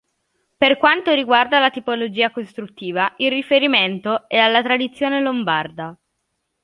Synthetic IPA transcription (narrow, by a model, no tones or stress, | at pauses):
perkwant̪oɾiɡward̪alat̪ipolod͡ʒiːakost̪ɾut̪ːiːvaʔilrifeɾiment̪oɛalːat̪ɾad̪it̪sːjoːnelombard̪a